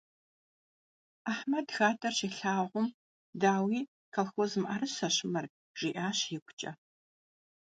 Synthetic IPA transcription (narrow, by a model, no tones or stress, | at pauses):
aħmɐdɣaːtʼɐrɕiːɬaːʁʷʊm | daːwiː | kʰɐlxʷozɨmʔɐrɨɕɐɕɪmɐr | ʒ̥iːʔaːɕjɪkʷʰʼʊt͡ʃʼɐ̰